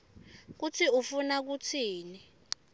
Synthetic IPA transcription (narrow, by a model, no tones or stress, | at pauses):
k̬utʰiufunak̬utʰiːni